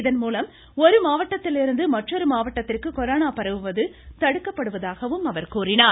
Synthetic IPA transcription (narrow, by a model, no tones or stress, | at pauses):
ɪðɐnmuːlɐm | ɔɾɯmaːʋɐʈːɐt̪ːɪlɪɾɯnd̪ɯmɐʈrɔɾɯmaːʋɐʈːɐt̪ːɪrkɯkɔɾaːnaːpɐɾɐʋɯʋɐðɯt̪ɐɽɯkːɐpːɐɽɯʋɐðaːɣɐʋɯmɐʋɐɾkuːrɪnaː